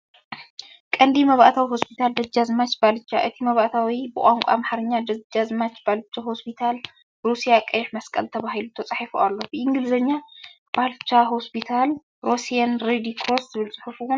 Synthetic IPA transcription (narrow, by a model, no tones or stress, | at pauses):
kʼɐnd̪imɐβaʔt̪ʰawiho̞spʰit̪ʰald̪ɐd͡ʒːazmat͡ʃbalɨt͡ʃːaʔɨt̪ʰimɐβaʔt̪ʰawibɨkʼaŋkʷʼa̰maħaɾɨɲːad̪ɐd͡ʒazmat͡ʃb̥alt͡ʃːaho̞spʰit̪ʰal | ɾusijakʼɐjħmɐskʼɐ̰lt̪ʰɐβahɦilut̪ʰɐt͡sʼaħifoʔalːo̞bɨʔɪŋɡɨlzɐɲːab̥alt͡ʃːaɦo̞spʰit̪ʰal | ɾosijanɾed̪ikʰɾoszɨβɨlt͡sʼɨħufuwun